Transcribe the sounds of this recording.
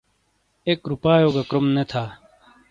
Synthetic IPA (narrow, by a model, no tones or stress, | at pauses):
ekɾupaːjoːɡɐkɾomnet̪ʰaː